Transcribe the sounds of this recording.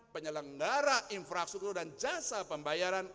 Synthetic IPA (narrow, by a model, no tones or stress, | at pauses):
pəɲələŋɡaɾaʔinfɾakst̪ukt̪urdand͡ʒasapəmbajaɾan